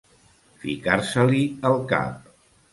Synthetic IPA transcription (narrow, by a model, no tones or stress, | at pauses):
fḭkaɾsəliəlˠka̰p̚